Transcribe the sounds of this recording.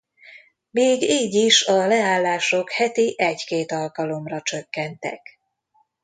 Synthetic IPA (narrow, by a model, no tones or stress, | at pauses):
miːɡiːɟiʃɒlɛaːlːaːʃo̞khɛt̪iʔɛɟkeːt̪ɒlkɒlo̞mrɒt͡ʃøkːɛnt̪ɛ̰k